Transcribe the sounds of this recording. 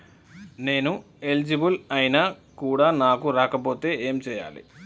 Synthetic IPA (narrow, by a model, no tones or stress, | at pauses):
ne̞ːnu | e̞ld͡ʒibulɐjinakuːɽaːnaːkuɾaːkɐpo̞ːt̪e̞ːeːmt͡ʃɛːja̰ːlḭ